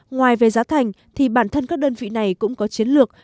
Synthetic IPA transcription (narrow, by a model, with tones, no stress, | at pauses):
ŋwaː˨˩jve˨˩zaː˨˦wt̪ʰa˨˩jŋ̟ | t̪ʰi˨˩ɓaː˧˩nt̪ʰə˧nkaː˦˥k̚ɗəː˧nvḭ˧˨na˨˩jkʊ̰˧˥ŋ͡mkɔ˨˦t͡ɕi˨˦ənlɨ˨˩ək̚